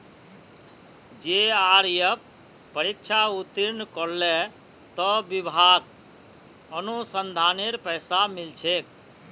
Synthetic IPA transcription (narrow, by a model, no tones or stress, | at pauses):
d͡ʒeaɾjəpː | əɾik̚t͡ʃʰaut̪iɾnkɔɾle | t̪ɔbibʱaɡ | ənusənd̪ʱaneɾpəjsamilt͡ʃʰek̚